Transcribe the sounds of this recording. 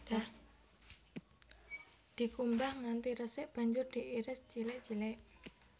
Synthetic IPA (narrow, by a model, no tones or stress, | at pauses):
a | d̪̥i̤kumbahŋant̪iɾəsɪʔb̥a̤ɲd͡ʒʊrd̪̥i̤ʔiɾɪst͡ʃilɪʔt͡ʃilɛʔ